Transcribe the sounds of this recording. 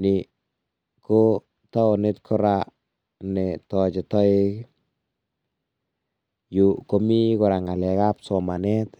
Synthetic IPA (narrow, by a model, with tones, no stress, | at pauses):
nɪ˨ | ko˦ | ta˦ɔ˨ne˦tkʰɔ˦ɾa | nɛ˨tɔ˨t͡ʃɪ˨tɔ˦ɪ˦k | ju˨ko˨mi˦kʊ˨ɾa˨ŋa˨lɛ˨ka˦psɔ˨ma˨nɛ˦t